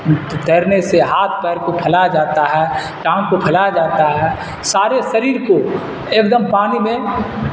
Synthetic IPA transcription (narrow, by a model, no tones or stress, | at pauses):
d̪ʱeːɾneseɦaːt̪ʰpɛːɾkopʰəlad͡ʒaːt̪aɦɛː | ʈãːnkopʰəlad͡ʒaːt̪aɦɛː | saːɾesəɾiːɾko | ekd̪əmpaːnimẽ